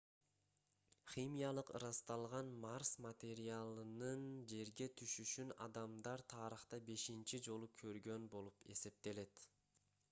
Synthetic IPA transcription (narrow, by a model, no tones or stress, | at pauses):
χʲimʲijalˠɯqɾɑst̪ɑlˠʁɑnmɑrsmat̪ʲe̞ɾialˠɯnɯnd͡ʒe̞ɾɡe̞t̪ʰyʃyʃynɑd̪ɑmd̪ɑɾt̪ʰɑːɾɯχt̪ɑbe̞ʃint͡ʃid͡ʒo̞lˠukʰø̞ɾɡø̞nbo̞lˠupe̞̰se̞p̚t̪e̞le̞t̪